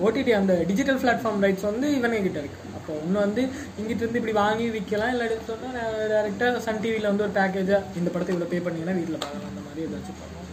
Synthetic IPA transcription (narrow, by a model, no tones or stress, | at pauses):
oːʈiʈiɐnd̪ɐɖɪd͡ʒɪʈːɐlflaːʈfaːɾmɾɐɪʈsʋɐnd̪ɯɪʋɐneŋɡɪʈːɐɾɯkːɯ̥ɐpːoːɔnːɯʋɐnd̪ɯ | ɪŋɡɪʈːɯɾɯnd̪ɯɪpːɐɽiʋaːŋɡiʋɪkːɐlãːɪlːɐɽɪsɐnːaːnãːɖɐɪɾɛk̚ʈaːsɐɳʈiːʋilɐʋɐnd̪ɯɔɾɯpaːk̬eːd͡ʒaɪnd̪ɐpɐɽɐt̪ːɪʋɪɭoːpeːpɐɳːɪŋɡɐnːaːʋiːʈːɪlɐpaːkɐlã̰ːɪnd̪ɐmaːd̪ɾiɐðɯʋɐt͡ʃːɪkpːo̰ː